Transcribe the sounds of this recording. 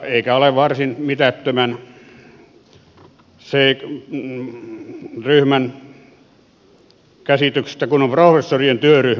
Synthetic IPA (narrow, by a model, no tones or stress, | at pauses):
eikæoleʋʋɑrsinmit̪æt̪ːømæn | seː | ryhmæn | kæsit̪ykse̥st̪ækunomprofesːorient̪yøryh